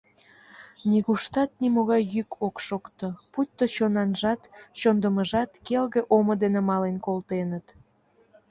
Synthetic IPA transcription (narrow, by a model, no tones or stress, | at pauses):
niɣuʃt̪ɑt̪̚nimoɣɑjːykʰokʃokt̪oput̪ːot͡ɕonɑnʒɑt̪t͡ɕond̪əməʒɑt̪kelɣeʔomod̪enemɑlenkolt̪enət̪